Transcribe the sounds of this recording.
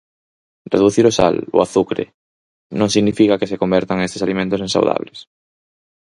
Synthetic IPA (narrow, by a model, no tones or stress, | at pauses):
reðuθiɾosa̰lo̰aθukɾḛ | nõŋsiɣnifikakesekombɛɾt̪aŋest̪esalimẽnt̪ʊsẽnsa̰wða̰βles